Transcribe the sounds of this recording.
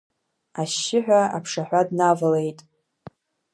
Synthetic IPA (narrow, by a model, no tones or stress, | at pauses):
aʃːɪħʷᶣaa̰pʰʂaħᶣʷadnavale̞jtʼ